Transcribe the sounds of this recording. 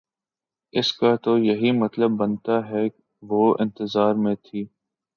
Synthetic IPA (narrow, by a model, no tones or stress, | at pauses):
ɪskat̪ojɐɦimɐt̪ləbːɐnt̪aɦɛː | ʋoːɪ̰̃nt̪ɪzaːɾmẽt̪ʰiː